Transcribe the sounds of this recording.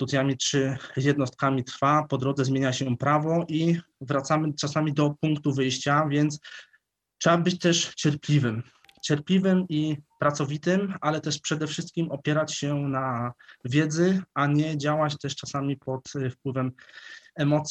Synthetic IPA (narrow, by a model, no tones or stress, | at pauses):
t̪ut̪ʲjamʲitʂɘjɛd̪nɔst̪̚kamʲit̪ɾfapɔd̪ɾɔd̪zɛzmʲjeɲaɕɛpɾavɔʔi | vɾat̪samɘt͡ʂasamʲid̪ɔpuŋkt̪uvɘjɕt͡ɕavʲjɛnt̪s | tʂɛbabɘt͡ɕt̪ɛʂt͡ɕɛɾplʲivɘm | t͡ɕɛɾplʲivɘmipɾat̪sɔvʲit̪ɘmalɛt̪ɛʂpʂɛd̪ɛfʂɘst̪̚kʲimɔpʲjɛɾat͡ɕɕɛnavʲjɛd̪zɘʔaɲɛd͡ʑawat͡ɕt̪ɛʂt͡ʂasamʲipɔt̪fpwɘvɛmɛmɔt̪sʲ